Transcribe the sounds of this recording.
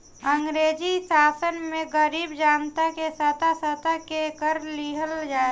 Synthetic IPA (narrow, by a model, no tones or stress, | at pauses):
ə̃ŋɡɾeːd͡ʒisaːsənmẽɡəɾiːbd͡ʒaːnt̪akesət̪asət̪akekəɾliɦəld͡ʒaː